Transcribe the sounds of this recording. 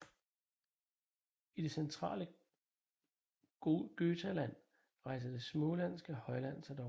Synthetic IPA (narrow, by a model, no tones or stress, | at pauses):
id̥e̝sent͡sʰʁɑ̰̈ːlə | ɡ̥øːt͡sʰælæn̰ | ʁɑ̈ɪsɐd̥e̝smɔlæn̰sɡ̥əhɒ̽ɪlæn̰sæd̥ɒ̽